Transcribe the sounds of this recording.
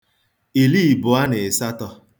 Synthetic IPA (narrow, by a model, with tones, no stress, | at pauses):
i˨li˦˨bʊ˨a˦nɪ˨ɪ˨sa˦tɔ˦